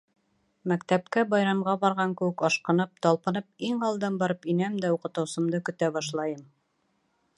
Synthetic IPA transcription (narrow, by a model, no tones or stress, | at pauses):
mækt̪æpkæbɑjɾɑmʁɑbɑɾʁɑŋkɘ̆wɘkɑʃqɤ̆nɤp̚t̪ɒlˠpɤ̆nɤp̚iŋɑlˠd̪ɤmbɑɾɤpinæmd̪æuqɤ̆t̪ɤ̆wsɤ̆md̪ɤkɵ̆t̪æbɑʃlˠɑjɤm